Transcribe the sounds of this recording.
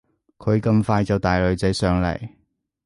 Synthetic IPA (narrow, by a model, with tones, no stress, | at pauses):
kʰɵ˨˧ɥkɐ˧mfaː˧jt͡sɐ˨wt̪aː˨jlɵ˨˧ɥt͡sɐ˨˥jsœː˨ŋlɐ̰˨˩j